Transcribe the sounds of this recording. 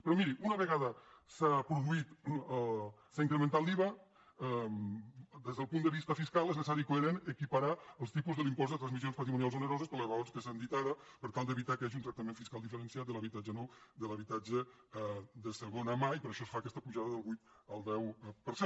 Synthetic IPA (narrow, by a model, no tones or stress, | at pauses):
pɾɔmiɾiʔunəβəɣaðəsapɾuðuit̪ | saiŋkɾəmənt̪at̪liβa | md̪ezðəlˠpund̪əβist̪əfiskalˠɛznsəs̬aɾikoeɾenəkipəɾaəlˠst̪ipuzðəlimpɔzd̪ət̪ɾanzmizionspɐt̪ɾimunialzunəɾɔzəspəɾləzrəonskəsand̪it̪aðəpəɾt̪alˠd̪əβit̪akəaʒiunt̪ɾək̚t̪əmeɱfiskalˠd̪ifəɾənsiat̪̚ələβit̪ad͡ʒənɔwd̪ələβ̞it̪ad͡ʒə | d̪əsəɣonəmaipəɾəʃɔsfakɛst̪əpuʒaðəðəlˠβujt̪ | əlˠd̪ɛwpəɾse